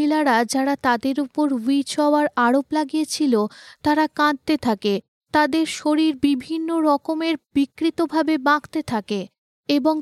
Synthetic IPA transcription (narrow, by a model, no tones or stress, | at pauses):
ilaɾad͡ʑaɾat̪ad̪eɾupoɾwit͡ɕɔaɾaɾoplaɡijet͡ɕʰilot̪aɾakãnt̪et̪ʰake | t̪ad̪eɾʃoɾiɾbibʱinːoɾɔkomeɾbikːɾit̪obʱabebãkt̪et̪ʰake | eboŋ